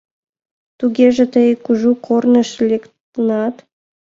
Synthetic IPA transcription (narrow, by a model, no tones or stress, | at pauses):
t̪uɡʲeʒĕt̪əjkuʒukʰornə̆ʃlʲekt̪ənɑt̪